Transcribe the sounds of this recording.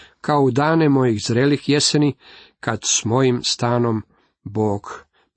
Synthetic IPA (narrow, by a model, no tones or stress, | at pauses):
kaoud̪aːnemo̞jixzɾeːlixjesenikad̪smo̞jimst̪aːno̞m | boːɡ